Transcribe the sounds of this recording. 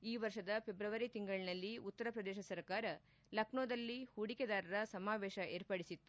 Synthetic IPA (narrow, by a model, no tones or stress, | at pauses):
iːʋɐɾʂɐd̪ɐpʰe̞bɾɐʋɐɾit̪iŋɡɐɭinɐlːiut̪ːɐɾɐpɾɐd̪ɛːʃɐsɐɾkaːɾɐ | lɐkɳoːd̪ɐlːihuɽiked̪aːɾɐɾɐsɐmaːʋeːʃɐʔeːɾpɐɽisit̪ːu